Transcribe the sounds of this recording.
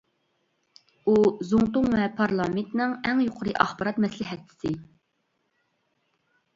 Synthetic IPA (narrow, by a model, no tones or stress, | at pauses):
uzuŋt̪ʊŋvɛpʰɑɾlˠɑment̪nɨŋɛŋjoqʰʊɾɨʔɑχbɑɾɑt̪mɛslɪɦɛt̪ʰːɪ̥sɪ